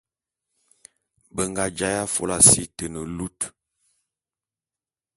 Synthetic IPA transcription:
bə˨ŋɡa˨d͡ʒa˦ja˦fo̰˦la˨si˦tə˨nə˨lu˦t

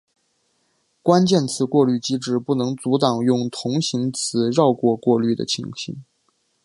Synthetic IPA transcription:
kwa˥nt͡ɕjɛ˥˩nt͡sʰɹ̩˧˥kwɔ˥˧ly˥˩t͡ɕi˥ʈ͡ʂɻ̩˥˩pu˥˩nɤ˧˥ŋt͡su˧˥t̪ɑ˨˩ŋjʊ˥˩ŋt̪ʰʊ˧˥ŋɕi˧˥ŋt͡sʰɹ̩˧˥ɻɑ˥˧ʊkwɔ˥˧kwɔ˥˧ly˥˩d̪ə̰˩t͡ɕʰḭ˧˥ŋɕʰḭ˧˥ŋ

